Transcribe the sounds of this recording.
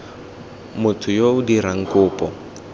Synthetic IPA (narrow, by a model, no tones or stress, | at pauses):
mʊtʰʊjoʊdiɾaŋ̩kʊːpʼɔ